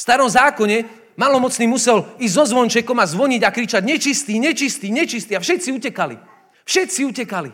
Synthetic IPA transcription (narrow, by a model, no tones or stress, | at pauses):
fst̪aɾɔmzaːkɔɲɛ | malɔmɔt͡sniːmusɛlizɟzɔzʋɔnt͡ʃɛkɔmazʋɔɲiɟakɾit͡ʃaɟɲɛt͡ʃist̪iːɲɛt͡ʃist̪iːɲɛt͡ʃist̪iːafʃɛt̪t͡siucɛkalḭ | fʃɛt̪t͡siucɛkali